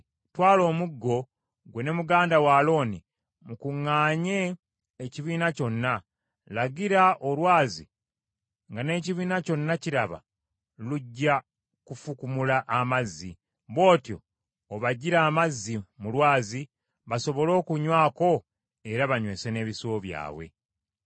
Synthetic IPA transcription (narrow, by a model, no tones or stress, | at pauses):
twaːlo̞ːmuɡːo̞ | ɡwe̞ne̞muɡaːndawaːlo̞ːni | mukuŋːaːɲe̞ː | ciβiːnaco̞nːa | laɡiɾaʔo̞lwaːzi | ŋɡane̞ːciβiːnaco̞nːaciɾaβa̰ | luɟːa | kufukumulaʔːmazːi | βo̞ːtjo̞̰ː | βaɟiɾaːmazːimulwaːzi | βaso̞βo̞lo̞ːkuɲwaːko̞ | e̞ɾaβaɲwe̞ːse̞ne̞ːβisoːβja̰ːβwe̞̰